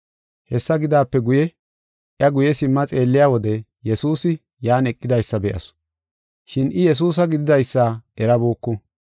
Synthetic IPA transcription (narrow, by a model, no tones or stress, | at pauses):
hɛsːɐɡɪd̪aːpːɛɡʊjɛ | ʔjɐɡʊjɛsɪmːɐt͡sʼe̞ːlːɪjaːwɔd̪ɛ | jɛsuːsɪ | jaːnɛkʼːɪd̪ɐjsːɐbɛʔɐ̰sʊ̥ | ʃɪnʔɪjɛs̬uːs̬ɐɡɪd̪ɪd̪ɐjsːaːʔɛɾɐboːkːʊ